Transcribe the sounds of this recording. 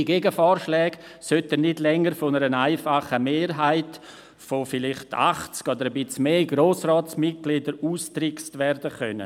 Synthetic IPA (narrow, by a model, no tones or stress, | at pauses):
iɡeɡəfɔːɾʃlɛːɡ̥ | sœtənɪdlɛŋːəɾfonəɾənaɪfaχəmeːɾɦaɪt | fofɪlɪχta̰χt͡skɔd̪əɾəbɪt͡smeːɡɾoːsrɔːtt͡smɪt̚ɡ̥lɪdəɾuːstɾɪkstvɛɾdəχœ̰nə̰